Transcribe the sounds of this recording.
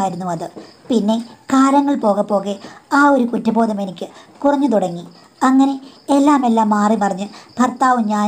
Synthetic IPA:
aːjiɾunːuʋɐðɨpinːe̞kaːɾɐŋːɐɭpo̞ːɣɐpːo̞ːɣeaːo̞ɾukutːɐbo̞ːd̪ɐme̞nikʲːɨkurɐɲːɨt̪̬uɽɐŋːi | ɐŋːɐne̞elːaːme̞lːaːmːaːripɐrɐɲːɨb̥ʱɐrt̪aːʋumɲaː

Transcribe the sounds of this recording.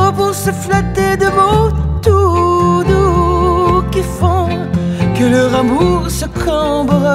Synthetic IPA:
əpuʁsəflat̪ed̪əmɔ̃t̪ud̪u | kʲifɔ̃ | kələʁɑ̃buʁsəkʰɔ̃bʁa

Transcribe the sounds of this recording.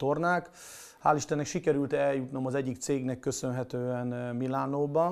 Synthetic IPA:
t̪o̞rnaːk | haːliʃt̪ɛnːɛkʃikɛɾylt̪ɛljut̪no̞mɒzɛɟːikt̪seːɡnɛkːø̞sø̞nɦɛt̪øːɛnmilaːnoːbɒn

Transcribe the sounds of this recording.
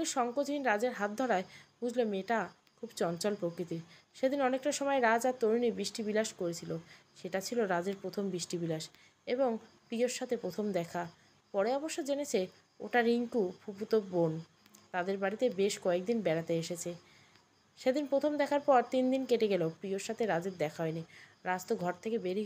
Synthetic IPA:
liʃɔŋkod͡ʑʱinɾad͡ʑeɾɦat̪̚d̪ʱɔɾaeɦud͡ʑʱlomeʈa | kʰubt͡ɕɔnt͡ɕɔlpɾokɾit̪iɾʃed̪inɔnek̚ʈaʃɔmɔeɾad͡ʑat̪oɾunibɾiʃʈibilaʃkoɾet͡ɕʰiloʃeʈat͡ɕʰiloɾad͡ʑeɾpɾot̪ʰombɾiʃʈibilaʃ | eboŋpioɾʃːat̪ʰepɾot̪ʰomd̪ɛkʰa | pɔɾeɔboʃːod͡ʑenet͡ɕʰe | o̰ʈaɾiŋkupʰuput̪ok̚bon | t̪ad̪eɾbaɽit̪ebeʃkɔek̚d̪inbɛɾat̪eeʃet͡ɕʰe | ʃed̪inpɾot̪ʰomd̪ɛkʰaɾpɔɾt̪ind̪inkeʈeɡɛlopɾioɾʃat̪ʰeɾad͡ʑeɾd̪ɛkʰaɦɔeniɾad͡ʑt̪oɡʱɔɾt̪ʰekebeɾi

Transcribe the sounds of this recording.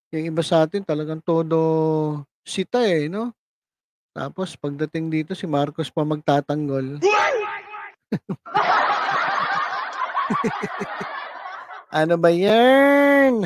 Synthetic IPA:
jʊŋɪbasɐaːt̪ɪnt̪ɐlɐɡaŋt̪o̞ːd̪o̞ | sɪt̪aɛno̞ | t̪a̰ːpo̞spɐɡ̚d̪ɐt̪ɪŋd̪iːt̪o̞sɪmaɾkospɐmɐɡ̚t̪aːt̪ɐŋɡo̞l | ʔɐnobɐja | n

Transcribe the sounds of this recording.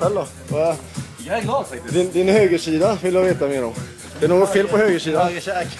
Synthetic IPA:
ɛlːɔ | d̪ɪnd̪ɪnhøːɡəʂiːd̪aʋɪljɑʋeːt̪ameːəɾɔm | d̪ɛɛɳoːɡɔt̪feːlpɔhøːɡəsiːd̪a

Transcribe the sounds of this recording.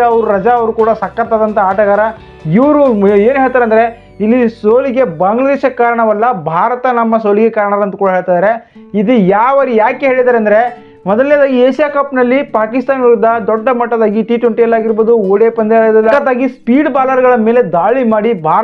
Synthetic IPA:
ɐʋɐɾuɾɐd͡ʒaɐʋɐɾukuːɽɐsɐkːɐɾt̪aːd̪ɐnt̪ʰɐaːʈɐɣaːɾɐ | iʋɐɾueːnɦeːɭt̪aːɾeɐnd̪ɐɾe̞ | ilːisoːliɡe̞baːŋɡlɐd̪eːʃɐkaːɾɐɳɐʋɐlːɐbʱaːɾɐt̪ɐnɐmːɐsoːliɡekaːɾɐɳɐɐlɐnt̪ɐkuːɽɐɦeːɭt̪aːjd̪ɐɾe̞ | id̪ujaːʋɐɾijaːkeɦe̞ːɭid̪aːɾeɐnd̪ɐɾe̞ | mɔd̪ɐlːɛaːd̪aːɡieːʃijaːkɐpnɐlːipaːkist̪aːnuɾud̪ɐd̪ɔɖːɐmɐʈːɐd̪aːɡiʈiːʈʋeɳʈijɐlːaːɡiɾboːd̪uoːɽeːpɐnd̪ejɐd̪ɐlːɐɐd̪aːɡispiːɖbaːlɐɾɡɐɭɐme̞ːle̞d̪aːɭimaːɽibʱaːɾ

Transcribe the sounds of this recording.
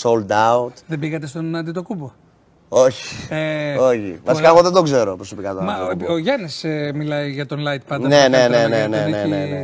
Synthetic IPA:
solt̪aut̪ðebiɣɐt̪e̞st̪onɐnd̪it̪o̞kubo | oçi̥eoçḭvɐsikɐmuðed̪oɡze̞ɾopɾoso̞pikɐt̪omɐoʝɐnismilɐiʝɐt̪o̞nlɐjt̪̚pɐnɐnenenenenenene

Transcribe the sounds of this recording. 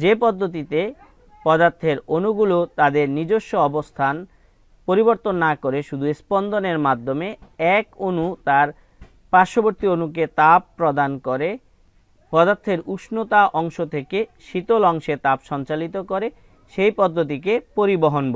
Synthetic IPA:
d͡ʑepɔd̪ːot̪̬it̪e | pɔd̪aɾt̪ʰeɾonuɡulot̪ad̪eɾnid͡ʑoʃːoɔbost̪ʰan | poɾiboɾt̪onːakoɾeʃud̪ʱuespɔnd̪oneɾmad̪ʱːomeɛkonut̪aɾ | paɾʃoboɾt̪ionuk̬et̪abːɾod̪ankoɾe | pɔd̪aɾt̪ʰːeɾuʃnot̪aʔɔŋʃot̪ʰekeʃit̪olɔŋʃet̪apʃɔnt͡ɕalit̪okoɾe | ʃejpɔd̪ʱːot̪̬ik̬epoɾiboɦonbo

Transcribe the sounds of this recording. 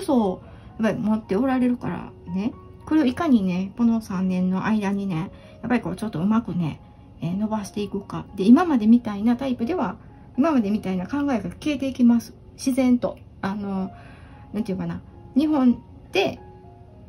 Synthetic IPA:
oso | japːaɾʲimo̞t̪ːe̞o̞ɾaɾe̞ɾɯ̟ka̰ɾa̰ne̞ | ko̞ɾe̞oikaɲ̟ine̞ko̞no̞sãnːẽ̞nːo̞ʔaid̪aɲ̟ine̞ | japːaɾʲiko̞ːt͡ɕo̞t̪ːo̞ɯ̟makɯ̟ne̞̰ | eno̞baɕi̥t̪e̞ikɯ̟ka̰d̪e̞imamad̪e̞mʲit̪ainat̪aipɯ̟d̪e̞βa | imamad̪e̞mʲit̪ainakãŋɡaeɡake̞ːt̪e̞ikʲimasɨ̥ | ɕizẽ̞nt̪o̞ | ano̞ | nãnt̪iɯkana | ɲ̟iɦõ̞n | d̪̥e̞

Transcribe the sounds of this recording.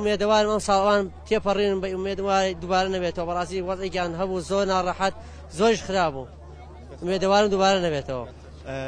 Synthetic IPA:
ʊmːed̪ɐwaːɾɨmɐmsɑːlˠɐwaːnt̪ʰepɐrinɨmbɐumːed̪maɾd̪ubaːɾɐnɐbet̪ɐwɐbɐɾˤɑːst̪iːwɐzekjaːnɦɐbuzoːɾnaːrˤɑħat̪̚ | zoɾiʃxɨɾaːbṵ | ʊmed̪ɐwaːɾɨmd̪uːbaːɾɐnɐβeːt̪ʰɐwɐ̰

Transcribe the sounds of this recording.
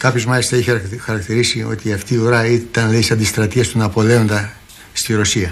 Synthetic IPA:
kɐpçozmɐlist̪ɐeçxɐɾɐkt̪iɾisio̞̰t̪iɐft̪iːoɾɐit̪ɐnleisɐnd̪ist̪ɾɐt̪iɐst̪unɐpo̞le̞o̞nd̪ɐ | st̪iɾo̞siɐ

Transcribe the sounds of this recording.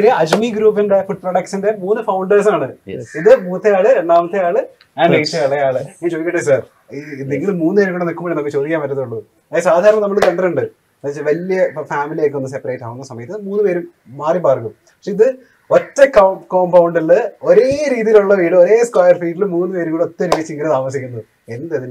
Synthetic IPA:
ɾijɐɐd͡ʑmiɡɾuːpːinde̞fuʈ̚proɽɐkʂɐnde̞muːnːɨfɐwɳɖɐrsaːɳɨiðɨmuːɐt̪ːɐjaːɭɨɾe̞ɳɖaːmɐt̪ːejaːɭɨ | aːɳɖeʂɐjaːɭejaːɭɨiːd͡ʑojkːɐʈːɨsaːr | ind̪eŋɡilmuːnːɨeɾumkːoɳːenikːumːɐːɳɐmːit͡ɕoːrikʲːaːmɐtːɐðuɭːu | ɐesaːd̪ʱaːɾɐɳɐnɐmːɐɭk̪ɐɳɖɐuɳɖɨ | ɐt͡ɕːʋɐljɐfaːmilijekːo̞nːɨs̬epːɐreːʈːaːʋunːɐsɐmɐjɐt̪ːɐmuːnːɨpe̞ːɾum | maːripaːrkum | pɐkʂeiðɨ | otːekɐko̞ːmpɐwɳɖilɨoɾe̞ːɾiːðijiluɭːɐʋiːɽɨoɾe̞ːskwaːjɐrfiːʈːilmuːnːɨpe̞ːɾuŋɡuɭot̪ːɐɾiʋet͡ɕːiŋɡɐnet̪aːmɐs̬ikʲːunːu | enːɐðɐðil

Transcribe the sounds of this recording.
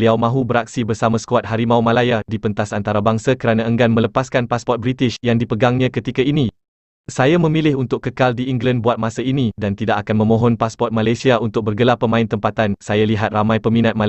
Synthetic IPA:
liawmãɦubəɾak̚sibərsamasə̥kuat̪̚haɾimauwmalajadipənt̪asant̪aɾabaŋsakəɾanãəŋɡanmə̃ləpaskanpaspɔt̪̚bɾit̪ɪʃjaŋdipəɡaŋɲãkət̪ikaini | sajamə̃milɪɦunt̪ʊkkːəkaldiiŋɡlanbuat̪̚masainĩdant̪idaʔakanmə̃mõɦɔnpaspɔrt̪̚malajsiaʔunt̪ʊk̚bərɡəlapəmãɪnt̪əmpat̪ansajaliɦat̪̚ramãjpəmĩnat̪̚ma

